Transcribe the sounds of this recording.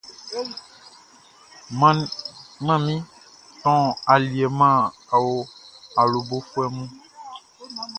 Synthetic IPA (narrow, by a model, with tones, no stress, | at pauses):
m˦mã˦˨mĩ˦ | t̪ɔ̃˦a˨li˨e˨mã˦˨a˨wo˦a˨lo˨bo˦fu˦ɛ˦mũ˦